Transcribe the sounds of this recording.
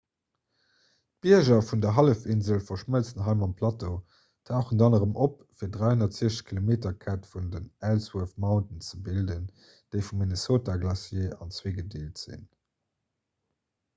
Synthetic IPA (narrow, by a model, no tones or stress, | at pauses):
t̚b̥iɐʒɐfundɐɦɑləfinzəlfɐʃməlt͡snɦɑɪmɑmpʰlɑto | tʰaʊχəndɑnəʁəmʔop̚ | fiːɐdʁaɪhonɐtz̥iəʃəkʰilomeːtɐkʰatfundənælswuɐfmɑʊntənt͡səbildən | d̥eɪfumːinesoːtaɡlɑsjeːɑ̰nt͡sweːɡədeːltz̥ḭn